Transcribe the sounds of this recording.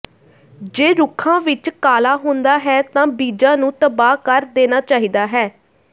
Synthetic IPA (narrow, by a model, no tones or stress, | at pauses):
d͡ʒeːɾʊkʰãːʋɪt͡ʃkaːlaːɦʊ̃nd̪aːɦɛːt̪ãːbiːd͡ʒãːnũːt̪əbaːkəɾd̪eːnaːt͡ʃaːɦiːd̪aːɦɛː